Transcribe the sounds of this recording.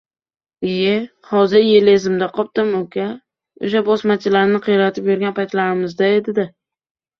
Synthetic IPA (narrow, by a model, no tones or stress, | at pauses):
ɪje | hɒzɪɾjelezɪmd̪aqʰɒp̚t̪ɪmʊkʲa | ʊ̰ʃ̬abɒsmat͡ʃʰɪlaɾnɪqʰɨjɾat̪ʰɪpjʊɾɡʲanpʰajt̪laɾɪmɪzd̪ae̞d̪ɪd̪ɪ